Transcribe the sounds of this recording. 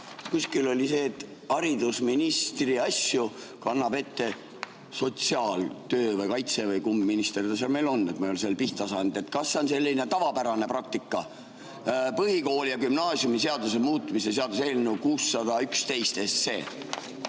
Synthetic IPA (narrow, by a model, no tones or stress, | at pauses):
kuskilo̞lʲise̞ːt̪ːˑ | hɑɾid̪̥usminist̪riɑsjukɑnːɑbe̞t̪ːe̞ | so̞t̪siɑːlt̪øːvɯjkɑjt̪se̞vɯjkumbminist̪eɾid̪ɑsɑlme̞jlo̞nːet̪meolselpiht̪t̪ɑsɑnd̪̥e̞t̪ːˑkɑsːe̞o̞nse̞lːine̞t̪ɑvɑpæɾɑne̞prɑk̚t̪ikːˑɑ | pɤɦiko̞ːljɑkymnɑːsjumise̞ɑd̪̥us̬emuːt̪ːˑmisese̞ɑd̪us̬elnːuukuːsːɑd̪̥ɑykst̪e̞jst̪est̪se̞̰ː